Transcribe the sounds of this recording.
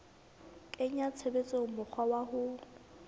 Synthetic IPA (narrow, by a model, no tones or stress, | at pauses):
kʼɪɲat͡sʰebet͡sʼemʊk͡xʰwawahʊ